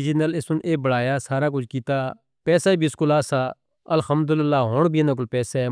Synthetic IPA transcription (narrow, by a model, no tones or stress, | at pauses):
d͡ʒɪnəlɪsʊnʔeːbəɽaːjaːsaːɾaːk̬ʊt͡ʃʰkiːt̪aː | pɛːsaːbʱiːɪskʊlaːsaː | əlxəmd̪ʊlɪlːaːɦoːɳbʱinãːk̬ʊlpɛːsaɛː